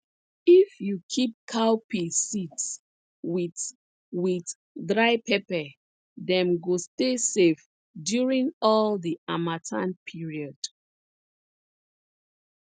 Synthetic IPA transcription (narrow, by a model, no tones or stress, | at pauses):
ifjukʰip̚kʰawpʰisits | wi | wiθ | dɹaɪpʰɛpɛ | dɛ̃mɡostesef | djuɹĩŋɔldiamatʰãnpʰiɹiɔd̥